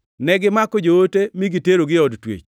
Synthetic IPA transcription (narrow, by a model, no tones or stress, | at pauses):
nɛɡɪmakɔd͡ʒoːtemiɡɪteɾoɡɪɔdtwḛt͡ʃ